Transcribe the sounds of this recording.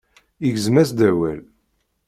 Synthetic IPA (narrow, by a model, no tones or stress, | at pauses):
iʝəzmæsd̪æwæ̰l